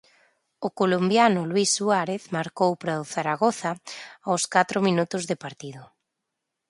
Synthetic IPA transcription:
ʊkolombjanʊlwisːuaɾeθmaɾkowpɾaʊθaɾaɣoθaawskat̪ɾʊmĩnut̪ʊzðɪpaɾt̪iðʊ

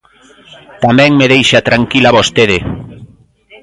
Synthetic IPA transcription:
t̪amɛ̃ŋmeðejʃat̪ɾaŋkilaβost̪eðe

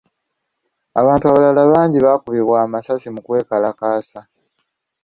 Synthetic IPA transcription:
aβaːntuaβalalaβaːɲɟiβakuβiβwaːmasasimukwe̞ːkalakaːsa

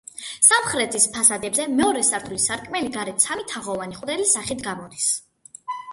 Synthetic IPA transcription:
samχɾɛt̪ʰispʰasad̪ɛbzɛmɛɔɾɛsaɾt̪ʰulisaɾkʼmɛliɡaɾɛt̪sʰamit̪ʰaʁɔvaniχʼwd̪ɛlisaχit̪ʰɡamɔd̪is

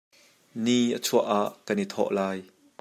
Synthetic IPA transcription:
niʔət͡sʰuəʔaʔkanit̪ʰɔ̰ʔlaːj

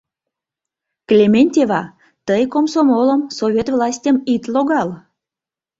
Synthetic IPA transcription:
klʲemʲenʲtʲevɑ | t̪əjkomsomoləmsovʲet̪vlɑsʲtʲəmit̪loɣɑl

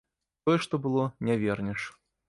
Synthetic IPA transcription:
t̪ɔjɛʂt̪ɔbɨlˠɔnʲavʲɛrnʲɛʂ

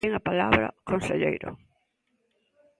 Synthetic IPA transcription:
eŋapalaβɾɐ̰konseʎḛjɾʊ̰

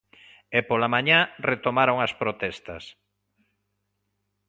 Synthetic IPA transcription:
epolamãɲaret̪omaɾoŋɐspɾot̪ɛst̪ɐ̰s

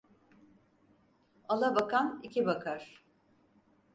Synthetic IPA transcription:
alˠabakʰanicʰibakʰaɾ̥

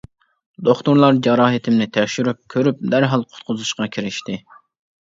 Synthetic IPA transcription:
d̪oχt̪ʊɾlˠɑɾd͡ʒɑɾɑːɦɪt̪ʰɪmnɪt̪ʰɛkʲʃyɾyp̚kʲʰøɾyp̚d̪æɾɦɑlˠqʰʊ̥t̪̚qʰʊzuʃqɑkʲʰiɾɪʃt̪ɪ

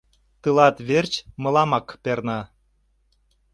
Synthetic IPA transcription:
t̪ɨlɑt̪βert͡ɕmɤ̆lɑmɑkpernɑ

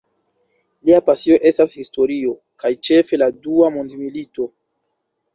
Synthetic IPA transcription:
liapasio̞ʔe̞stashisto̞ɾio̞ | kajt͡ʃe̞fe̞laduamondmilito̞

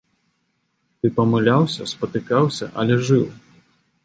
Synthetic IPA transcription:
t̪ɨpɐmɨlʲawsʲɐspɐt̪ɨkawsʲɐʔɐlʲɛʐɨw

